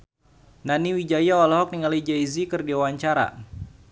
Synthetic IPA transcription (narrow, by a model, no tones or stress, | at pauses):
naniwid͡ʒajaolɔɦɔk̚niŋalid͡ʒaizikɨrdiawaɲt͡ʃaɾa̰